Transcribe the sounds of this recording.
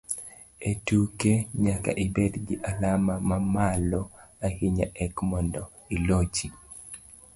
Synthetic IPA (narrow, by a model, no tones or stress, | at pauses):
etukeɲaka̰ʔibɛdɡiʔalamamamalɔahɪɲa̰ʔɛkmɔndɔ | ilot͡ʃi